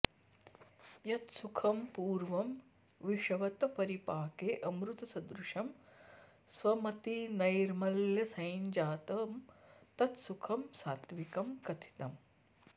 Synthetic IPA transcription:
jɐt̪sukʰɐmpuːɾʋɐm | ʋiʂɐʋɐt̪ɐpɐɾipaːkeːʔɐmɾut̪ɐsɐd̪ɾuʂɐm | sʋɐmɐt̪inɐjɾmɐljɐsɐjnd͡ʒaːt̪ɐmt̪ɐt̪sukʰɐmsaːt̪ʋikɐmkɐt̪ʰi̥t̪ɐm

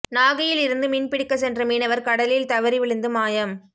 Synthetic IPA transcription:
naːɣɐjɪlɪɾɯnd̪ɯmɪnpɪɽɪkːɐs̬ɛndrɐmiːnɐʋɐɾkɐɽɐlɪlt̪ɐʋɐɾɪʋɪɭɯnd̪ɯmaːjɐm

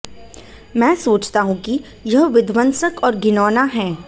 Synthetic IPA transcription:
mɛ̃ːsoːt͡ʃt̪aɦũki | jɐɦʋɪd̪ʋə̃nsəkɔːɾɡɪnɔːnaɦɛ̃ː

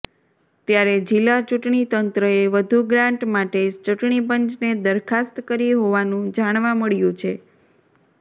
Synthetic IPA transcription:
t̪jaɾed͡ʒilːat͡ʃuʈɳit̪ənt̪ɾəeʋəd̪ʱuɡɾãɳʈmaʈet͡ʃuʈɳipəɲt͡ʃned̪əɾkʰast̪kəɾiɦoʋanũd͡ʒaɽ̃ʋãməɭjũt͡ʃʰe

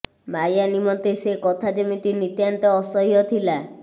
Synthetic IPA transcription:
majanimɔt̪esekɔt̪ʰad͡ʒemit̪init̪jant̪ɔːsɔɦijɔt̪ʰila

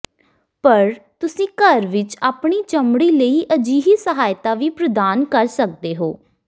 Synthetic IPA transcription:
pəɾt̪ʊsĩːkəɾʋɪt͡ʃaːpɳiːt͡ʃəmɽiːləiːʔəd͡ʒiːɦiːsəɦaːjt̪aːʋiːpɾəd̪aːnkəɾsək̚d̪eːɦoː

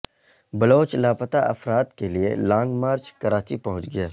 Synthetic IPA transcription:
bɐloːt͡ʃlaːpət̪aʔɐfɾaːt̪keliḛlãːŋɡmaːɾt͡ʃkɐɾaːt͡ʃipɐɦʊ̃t͡ʃɡɐjaː

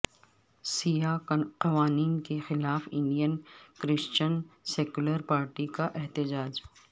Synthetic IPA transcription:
sijaqɐʋaːniːnkexɪlaːfɪ̃ɳɖijənkɾɪst͡ʃənseːkʊləɾpaːɾʈikaʔɛɦt̪ɪd͡ʒaːd͡ʒ

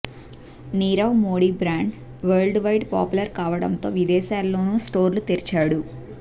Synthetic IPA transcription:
niːɾɐwmoːɽiːbɾaːɳɖ | ʋɐːɾlɖʋɐjʈpa̰ːpulɐɾkaːʋɐɽɐnt̪o̞ːʋid̪ɛːʃaːlːo̞ːnuːsʈo̞ːɾlut̪eɾit͡ʃaːɽu

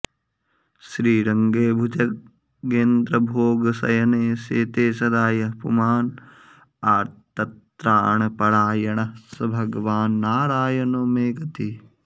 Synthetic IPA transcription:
ʃɾiːɾɐŋɡeːbʱud͡ʒɐk̚ː | eːnd̪ɾɐbʱoːɡɐsɐ̰jɐneːseːt̪eːsɐd̪aːjɐɦpṵmaːn | aːɾt̪ɐt̪ɾaːɳɐpɐɽaːjɐɳɐsɐbʱɐɡɐʋaːnːaːɾaːjɐnoːmeːɡɐt̪i

